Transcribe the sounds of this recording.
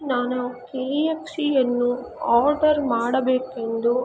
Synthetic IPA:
naːnukeːeksiɐnːuaːɾɖɐɾmaːɽɐbeːkend̪u

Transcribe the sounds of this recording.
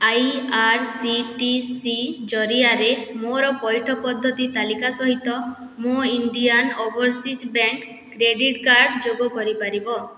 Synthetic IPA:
ajaɾsiʈisid͡ʒɔɾiaɾemoɾɔpɔjʈʰɔpɔd̪ʱːɔt̪it̪alikasɔɦit̪ɔ | muiɳɖianobɔɾsit͡ʃbaŋkː | ɾeɖiʈkaɾɖd͡ʒoɡɔkɔɾipaɾibɔ

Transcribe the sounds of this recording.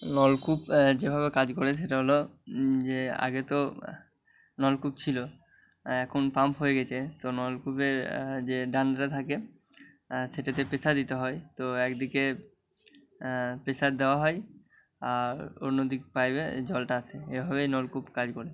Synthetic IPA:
nɔlkupd͡ʑebʱaβekad͡ʑkoɾeeʈaɦolod͡ʑea̰ɡet̪o | nɔlkup̚t͡ɕʰilo | ɛkʰonpampɦojeɡɛt͡ɕʰet̪onɔlkupeɾd͡ʑeɖanɖʈat̪ʰake | ʃeʈat̪̬epesad̪it̪eɦɔejt̪oɛkd̪ike | pesad̪eoaɦɔj | aɾo̰nːod̪ikpajbḛd͡ʑɔlʈaat͡ɕʰeebʱaβejnɔlkupkad͡ʑkoɾe

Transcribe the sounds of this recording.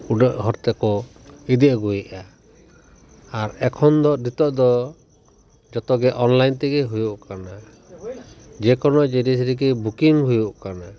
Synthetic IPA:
uɖɔʔɦɔɾt̪ɛkɔid̪iʔɡuiʔa | aɾɛkʰɔnd̪ɔd̪it̪ɔʔd̪ɔ | d͡ʒɔt̪ɔɡɛʔɔnlajnt̪ɛɡɛɦujuʔkana | d͡ʒɛkɔnɔd͡ʒɛɾis̬ɾik̬ibukiŋɦujuʔkana

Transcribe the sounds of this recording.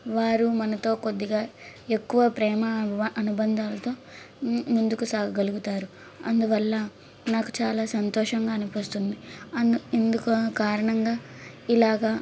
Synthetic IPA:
ʋaːɾumɐnɐt̪o̞ːkod̪ːiɡaːe̞kːuʋɐpɾɛːmɐʔɐnubɐnd̪ʱaːlɐt̪o̞ː | mund̪ukusaːɡɐɡɐluɡut̪aːɾu | ɐ̰nd̪uʋɐlːɐ | naːku̥t͡ʃaːlaːsɐnt̪ɔːʂɐŋɡaːɐnupɐst̪und̪iɐend̪ukkaːɾɐɳɐŋɡaːilaːɡaː

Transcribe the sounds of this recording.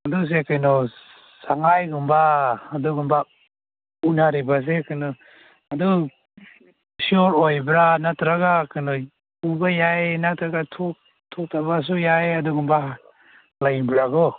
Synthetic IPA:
adus̬ekʰajnɔ | saŋajɡumbaːduɡumba | unaɾibas̬ekʰɯnɔ | adu | sɔɾɔjbɾanatɾaɡakʰɯnɔ | ubajajnatɾaɡatʰɔk̚ | tʰɔk̚tʰabas̬ujajaduɡumba | lajbɾaɡɔ

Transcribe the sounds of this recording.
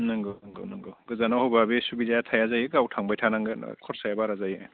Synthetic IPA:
nɯŋɡɯnɯŋɡɯ̰wnɯŋɡɯɡɯzanahɔbabesubizajatʰajazajɯɡawtʰaŋbajtʰanaŋɡɯ̰kʰɔɾsajabaɾazaj

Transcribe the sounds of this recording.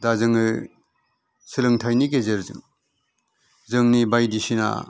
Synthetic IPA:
dazɯŋɯ | sɯlɯŋtʰajnik̬ezeɾzɯ̰ŋ | zɯŋnibajdisina̰

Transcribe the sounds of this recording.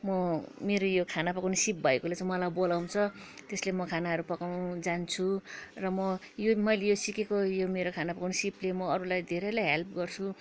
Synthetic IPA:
mʌmeɾojokʰanapʌkanisip̚bʱʌekolet͡sʌ̃mʌlajbolaw̃t͡sʰʌt̪eslemʌkʰanaʌɾupʌkaw̃d͡zant͡sʰurʌmʌjomʌjlejosikekojomeɾokʰanapʌkunsiplemʌːɾulajd̪ʱeɾelajɦelp̚ʰɡʌrt͡sʰu

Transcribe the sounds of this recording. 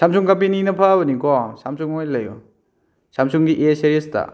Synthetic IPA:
samsuŋkapininɐpʰabɐnikɔsamsuŋojlɐjṵ | samsuŋɡiʔeseɾiesta̰

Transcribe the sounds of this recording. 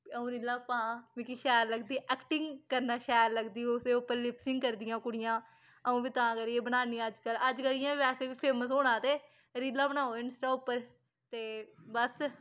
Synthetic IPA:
əũːɾiːlaːpãːʋĩːkiʃɛːɾləɡd̪iːʔɛːkʈɪŋɡkəɾnaːʃɛːɾləɡd̪iːʊseːʊpːəɾlɪpsɪŋɡkəɾd̪ɪjãːkʊɽɪjãː | əũːʋiːt̪ãːkəɾieːbənaːniːəd͡ʒkələd͡ʒkəɾɪjãːʋɛːseːʋiːpʰeːməsɦoːɽ̃ãːt̪eː | ɾiːlaːbənaːoːɪnəsʈaːʊpːəɾ | t̪eːbəs

